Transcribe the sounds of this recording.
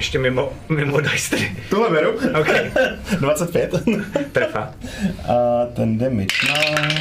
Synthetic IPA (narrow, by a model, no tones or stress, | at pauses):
jɛʃcɛmɪmo | mɪmodajst̪ɾɪt̪uɦlɛbɛɾuokɛdvat͡sɛt̪̚pjɛt̪t̪ɾəfa | at̪ɛnd̪ɛmɪt̪naː